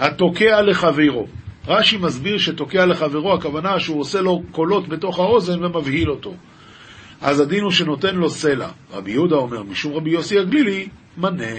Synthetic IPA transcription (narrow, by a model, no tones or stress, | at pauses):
hato̞ke̞ale̞χaveʁo̞ʁaʃimazbiʁʃeto̞ke̞ale̞χaveʁohakavanaʃeuose̞lo̞ko̞lo̞tbe̞to̞χhao̞ze̞nve̞mavhilo̞to̞ | ʔazadinuʃe̞no̞te̞nlo̞se̞la̰ʁa̰bijudao̞me̞ʁmiʃumʁabijo̞siaɡlili | mane